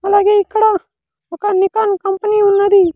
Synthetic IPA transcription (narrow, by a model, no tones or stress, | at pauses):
ɐlaɡeɪkːɽa | ɐkanːɪkankɐmpəniʊnːad̪i